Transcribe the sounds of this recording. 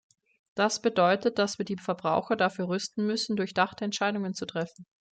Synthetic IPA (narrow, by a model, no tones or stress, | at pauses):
d̥asb̥ədɔʏtət̚d̥asv̥iːɐdiːfɛɐbʁa̰ʊxɐdafyːɐʁʏstn̩mʏsn̩dʊɐçd̥aχtəɛntʃaɪdʊŋənt͡sutʁ̥ɛfn̩